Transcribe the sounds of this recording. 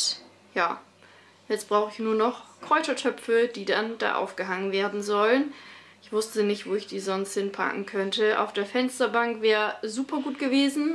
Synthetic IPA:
jaː | jɛt͡stb̥ʁaʊxəɪçnuːɐnɔχkʁ̥ɔʏtɐtʰœpfəd̥iːdanda̰ːʔa̰ʊfɡ̥əɦaŋənveːɐdn̩zɔlənʔɪçv̥ʊstənɪçtv̥oːɪçd̥iːzɔnst̚hɪnpʰa̰kŋ̩kʰœntəʔa̰ʊfd̥eːɐfɛnstɐbaŋkv̥ɛːʁəzuːpʰɐɡuːtɡ̥əveːzn̩

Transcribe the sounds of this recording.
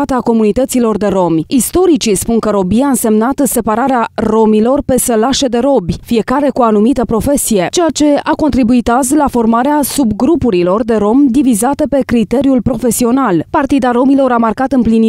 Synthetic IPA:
at̪əako̞munit̪ət̪silo̞rd̪e̞ɾo̞mist̪o̞ɾit͡ʃispunkəɾo̞biaɨnse̞mnat̪se̞paɾaɾearo̞milo̞rpe̞səlaʃe̞d̪e̞ɾo̞bʲfie̞kaɾe̞kuanumit̪əpɾo̞fe̞sije̞t͡ʃe̞jat͡ʃe̞ako̞nt̪ɾibuit̪azlafo̞rmaɾeasubɡɾupuɾilo̞rd̪e̞ɾo̞md̪ivizat̪əpe̞kɾit̪e̞ɾiulpɾo̞fe̞sio̞nalpart̪id̪aɾo̞milo̞ɾamarkat̪ɨmplini

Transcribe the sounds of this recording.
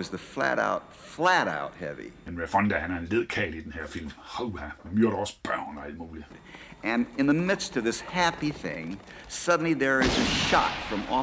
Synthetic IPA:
ʌzðɨflæ̰ɾa̰ʊt̚ | flæɾa̰ʊt̚hɛ̰vḭenɹefɑnd̥æhænæɐenleð̰ˠkʰɛːlid̥enheɐfil̰mhoʊhæmjøɐɾɒsb̥aʊnɒæl̰d̥̚muːli | ʔɨ̃nɨ̃nðɨmɪd̥stʌvðɪshæpiθɪ̰̃ŋsʌdⁿn̩liðə˞ɪzɨʃɑ̰tfɹʌ̃mɔ

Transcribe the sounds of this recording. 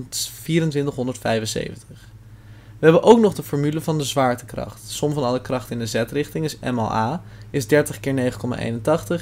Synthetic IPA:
tfiːɾəntʋɪntəχɦɔndəɹtfɛjvənsḛjvəntəχ | ʋəɦɛbəʔowknɔχdəfɔːɹmyləvɑndəzʋaːɹtə̥krɑ̰χtsɔmvɑnɑləkrɑχtɪndəzɛtrɪχtɪŋɪsɛ̰mɑ̰lˠʔaːɪzdɛɹtəχkɪːɹnejχəkɔma̰ːʔḛjnəntɑχtəχ

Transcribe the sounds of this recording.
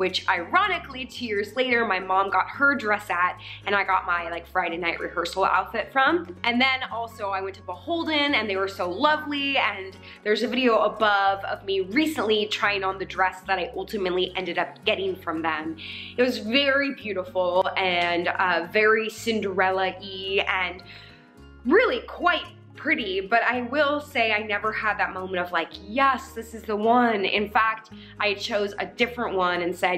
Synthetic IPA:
wɨt͡ʃaɪɹɑñɨklitʰʉjɪɹzleɪɾə˞maɪmɑ̃mɡɑt̚hə˞dɹɛsɨt̚ɨ̃ñaɪɡɑt̚maɪlaɪkfɹaɪɾeɪnaɪʔɹḭhɜ˞sl̩ˠa̰ʊtfɪtfɹʌ̃mʔɨ̃nðɨ̃nɔlˠsoʊaɪwɛ̃ntʰəbəhoʊlˠdɪ̃ŋɨ̃nðeɪwə˞soʊlʌvliɨ̃n | ðə˞zɨvɪɾioʊəbʌvʌ̰vmiɹisə̃nʔlitʰɹ̥aɪɪ̃ŋə̃nðɨdɹɛsðɨɾaɪʔʌlˠtɨmɨtˡliʔɛ̃ndɨɾʌp̚ɡ̥ɛɾɪ̃ŋfɹʌ̃mðɨ̃mɨt̚wʌzvɛɹibjʉɾəfl̩ˠɨ̃nʌvɛɹisɪ̃ndə˞ɛlˠəʔiɨ̃n | ɹɪlˠikʰw̥aɪt̚ | pʰɹ̥ɪɾibʌɾaɪwɪlˠseɪaɪnɛvə˞əd̪̚ðɨt̚mõʊ̃mə̃n̩tʌv̥laɪkjɛsðɪsɨzðəwʌ̃nɪ̰̃nfæk̚t | ʔaɪt͡ʃʰoʊzɨ̰dɪfɹə̃nʔwʌ̃nɨ̃nsɛ

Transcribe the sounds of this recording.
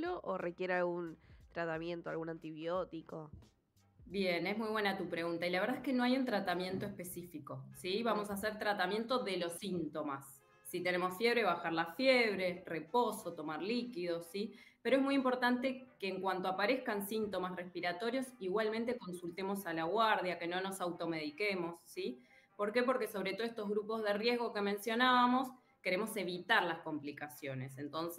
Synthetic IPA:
loʔorekjeɾealɣunt̪ɾat̪amjẽ̞nt̪oa̰lɣunant̪iβjot̪iko | bjene̞zmujβwe̞nat̪upɾe̞ɣunt̪ailaβ̞eɾðaehkenoajunt̪ɾat̪amje̞nt̪oehpe̞sifiko̞siβamo̞saseɾt̪ɾat̪amje̞nt̪o̞ðe̞lo̞sint̪o̞masː | it̪ene̞mo̞sfje̞βɾe̞βaxaɾlafjeβ̞ɾe̞re̞po̞so̞t̪o̞maɾlikiðo̞ssipeɾoezmujimpo̞ɾt̪ant̪ekeːŋkwant̪oapaɾe̞hkansint̪o̞masrespiɾat̪o̞ɾjo̞siɣwalmẽnt̪e̞ko̞nsult̪emo̞salaɣwaɾðjake̞no̞no̞sawt̪o̞me̞ð̞ikemo̞sːi | po̞ɾke̞po̞ɾke̞so̞βɾet̪oest̪o̞ɦɣɾupo̞zðerje̞ɦɣo̞ke̞mẽ̞nsjo̞naβamo̞s | ke̞ɾemo̞se̞βit̪aɾlasko̞mplikasjo̞ne̞sent̪o̞nse

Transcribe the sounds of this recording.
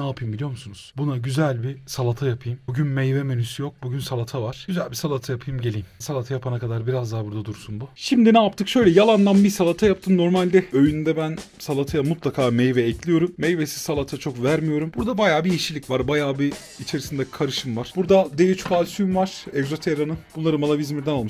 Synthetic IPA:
naːpʰɯjmbilʲijo̞ɾmusunuz̥bunaɟyzælʲbisalˠat̪ʰajapʰɯjɯmbuɟynmejvɛmenysjok̚buɟynsalˠat̪ʰavaɾ̥ɟyzælʲbisalˠat̪ʰajapʰɯjɯmɟe̞lʲijmsalˠat̪ʰajapʰanakʰad̪aɾbiɾazd̪abuɾd̪ad̪uɾsunbuʃimd̪inaːp̚t̪ʰɯkʃø̞jlʲɛjalˠand̪ˠambisalˠat̪ʰajap̚t̪ʰɯːnno̞ɾmalʲd̪ɛø̞jynd̪ɛbæn | salˠat̪ʰajamut̪lˠakʰaːmejvɛːclʲijo̞ɾumːejvesi̥salˠat̪ʰat͡ʃʰo̞kvæɾmijo̞ɾumbuɾd̪abajaːbiiʃilʲicvaɾbajaːbiː | t͡ʃʰe̞ɾisind̪ɛkʰaɾɯʃɯmvaɾ̥b̥uɾd̪ad̪ejyt͡ʃpʰalʲsymvaɾ̥ɛɡzo̞t̪ʰeɾanɯbunlˠaɾɯmalˠavizmiɾd̪ɛnalˠmɯʃ

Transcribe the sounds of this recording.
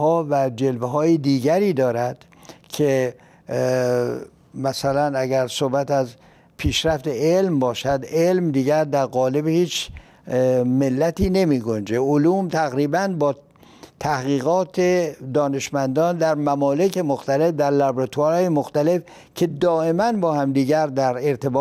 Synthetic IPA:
hɒːvæd͡ʒelveɦɒːjed̪iːɟæɾiːd̪ɒːɾæd̪̥ | cʰe | mæsælænæɡæɾsohbæt̪æz | pʰiːʃɾæft̪e̞elmbɒːʃæd̪elmd̪iːɟæɾd̪æɾɣɒːle̞behiːt͡ʃ | me̞lːæt̪ʰiːne̞miːɡond͡ʒeoluːmt̪ʰæɣɾiːbænbɒː | t̪ʰæhɣiːɣɒːt̪ʰed̪ɒːne̞ʃmænd̪ɒːnd̪æɾmæmɒːlekʰe̞moxt̪æle̞fd̪æɾlæbɾat̪ʰuæɾɒːjemoxt̪æle̞f | cʰe̞d̪ɒːe̞mænbɒːhæmd̪iːɟæɾd̪æɾe̞ɾt̪ʰe̞bː

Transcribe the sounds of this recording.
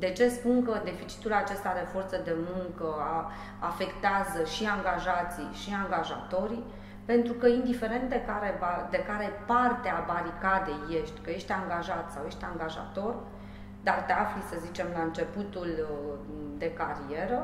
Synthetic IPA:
d̪e̞t͡ʃe̞spuŋkəd̪e̞fit͡ʃi̥t̪ulat͡ʃe̞st̪ad̪efo̞rt̪səd̪e̞muŋkəa | afe̞kt̪eazəʃiaŋɡaʒat̪sḭʃiaŋɡaʒa̰t̪o̞ɾi | pe̞nt̪ɾukəind̪ife̞ɾe̞nt̪̚d̪ekaɾebad̪e̞kaɾe̞part̪eabaɾikad̪e̞jːe̞ʃt̪ʲkəje̞ʃt̪ʲaŋɡaʒat̪sawje̞ʃt̪ʲaŋɡaʒa̰t̪o̞r | d̪art̪e̞aflisəzit͡ʃe̞mlaɨnt͡ʃe̞put̪ul | d̪e̞kaɾie̞ɾə

